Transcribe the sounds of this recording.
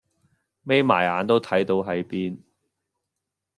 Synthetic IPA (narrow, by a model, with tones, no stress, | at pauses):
me˥jma̰ː˨˩jaː˨˧nt̪o˥wt̪ʰɐ˨˥jt̪o˨˧wɦɐ˨˥jpiː˥n